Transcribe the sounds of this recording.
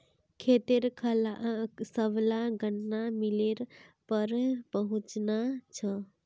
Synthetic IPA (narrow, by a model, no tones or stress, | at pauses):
kʰet̪eɾkʰlsəblaɡənːamileɾpəɾpəɦũt͡ʃnat͡ʃʰə